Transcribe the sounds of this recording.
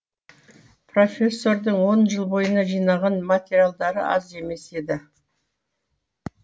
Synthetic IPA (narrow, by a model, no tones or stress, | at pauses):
pro̞fʲe̞sːo̞ɾd̪əɴwo̞nʒəlˠbo̞jənɑʒijnɑʁɑnmat̪ʲeɾijalˠd̪ɑɾə̰ʔɑ̰ze̞me̞se̞d̪ɪ